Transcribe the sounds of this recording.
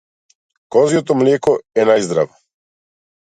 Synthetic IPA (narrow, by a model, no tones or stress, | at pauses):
kɔzijot̪ɔmlʲɛkɔɛnajzd̪ɾa̰vo